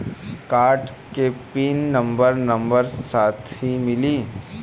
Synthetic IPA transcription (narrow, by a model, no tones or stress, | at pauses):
kaːɾʈ | kepiːnːɐ̃mbəɾnɐ̃mbəɾsaːt̪ʰɦimɪliː